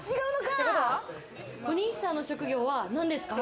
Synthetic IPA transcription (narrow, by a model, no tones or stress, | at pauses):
t͡ɕiɡaɯnokaea | oɲ̟iːsãnːo̞ɕo̞kɯ̟ɡʲo̞ːβanãnd̪e̞sɨ̥ka